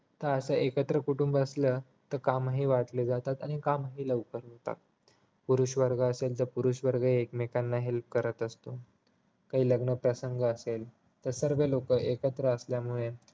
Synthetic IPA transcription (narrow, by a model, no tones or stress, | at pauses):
t̪əəsəʔekət̪ɾəkuʈumbəslə | t̪əɾkamɦiːʋat̪led͡zat̪at̪aɽ̃ikamɦiːləʋkəɾũnt̪a̰k̚ | puɾuɕʋəɾɡʱəəselt̪̬əɾpuɾuɕʋəɾɡʱəekmekanːaɦelp̚kəɾət̪əst̪o | kaɦiːləɡnəpɾəsəŋɡəəsel | t̪əɾsəɾʋelokəʔekət̪ɾəəsljamuɭe